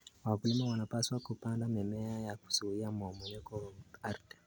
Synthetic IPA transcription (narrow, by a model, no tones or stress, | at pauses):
wakulimawanapaswakupandamɛmɛajaku̥suiamɔmɔɲɛkɔaɾtɛ̥